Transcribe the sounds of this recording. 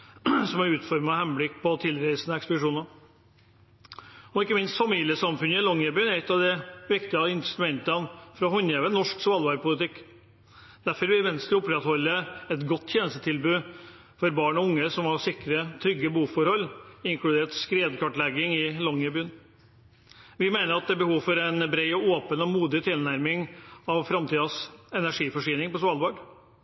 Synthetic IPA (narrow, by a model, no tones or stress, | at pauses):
sɔmæɾʉːt̪fɔɾmɑhɛmblɪkːpʰɔt̪ʰɪlɾæɪsənəɛkspəd̪ɪʂuːnɑ | ɔɪkːəmɪnst̪fɑmiːlɪəsɑmfʉnːəɪlɔŋɛbyːənæɾɛt̪ːɑʋd̪ɛʋɪkt̪ɪɑɪnt̪st̪mɛnt̪ənfɾɔhɔnjeːʋənɔʂksʋɑlʋɑːɾpʰʊlɪt̪ɪkː | d̪̥æɾfɔɾʋɪlmɛnst̪əʊpɾɛt̪hɔlːəɛt̪ɡɔt̪ːʰjeːnəst̪ət̪ʰɪlbʉː | fɔɾbɑːɳɔʊŋːəsɔmhɑsɪkɾət̪ʰɾʏɡːəbəuːfɔɾhɔlːɪŋkʰlʉd̪eːʈskɾeːd̪kʰɑʈlɛɡɪŋɪlɑŋːəbyːən | ʋɪmeɪnəɾɑt̪̚d̪ɛːbəhuːʋfɔɾɛnbɾeɪɔoːpənɔmuːd̪ɪt̪ʰɪlnæɾmɪŋɑʋfɾɑmt̪ʰiːd̪ɑsɛnæʂiːfɔʂyːnɪŋpɔsʋɑlʋɑːɖ